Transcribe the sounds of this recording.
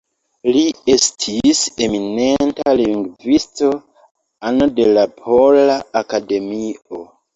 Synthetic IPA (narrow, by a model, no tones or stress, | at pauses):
liestʰise̞mine̞ntaliŋɡvisto̞ | anode̞lapʰo̞laːkade̞mio